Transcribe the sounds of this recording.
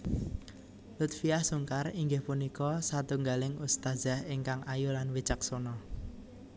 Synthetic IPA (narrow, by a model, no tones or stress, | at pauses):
lut̪fiahsuŋkariŋɡɪhpunikɔsat̪uŋɡalɪŋust̪azaheŋkaŋajulanwit͡ʃak̚sonɔ